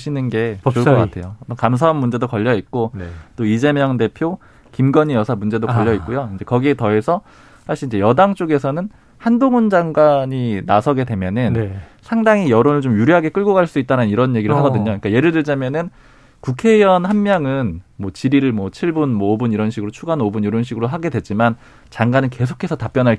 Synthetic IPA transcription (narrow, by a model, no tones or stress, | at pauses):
ɕʰinɯnɡe̞t͡ɕoɭkʌkatʰe̞jookams̬ʰaonːund͡ʑe̞dokʌʎːʌit̚k͈ot͈oid͡ʑe̞mjʌŋde̞pʰjo | kimɡʌɲijʌsʰamund͡ʑe̞dokʌʎːʌit̚k͈ujoind͡ʑe̞kʌɡie̞tʌe̞sʰʌ | sʰaɕ͈ʰiind͡ʑe̞jʌdaŋt͡ɕ͈oɡe̞sʰʌnɯn | handoŋund͡ʑaŋɡwaɲinasʰʌɡe̞dwe̞mjʌnɯnnsʰaŋdaŋijʌɾonɯɭt͡ɕomjuɾjoɦaɡe̞k͈ɯɭɡoɡaɭs͈uit̚t͈aɾanɯniɾʌnje̞ɡiɾɯɭɦaɡʌdɯɲoɲik͈aje̞ɾɯɭdɯɭd͡ʑamjʌnɯn | kukʰe̞jʌnhanmjʌŋɯnmwʌt͡ɕiɾiɾɯɭmwʌt͡ɕʰiɭbunmwʌobuniɾʌnɕʰiɡɯɾot͡ɕʰuɡanobuniɾʌnɕ̬ʰiɡɯɾoɦaɡe̞dwe̞t͡ɕ͈iman | t͡ɕaŋɡanɯnke̞s̬ʰo̥kʰe̞sʰʌtap͈jʌnɦaɭ